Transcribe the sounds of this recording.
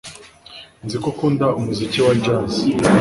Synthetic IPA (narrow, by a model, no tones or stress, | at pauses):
nzikokuːndaumuziciwad͡ʒaːz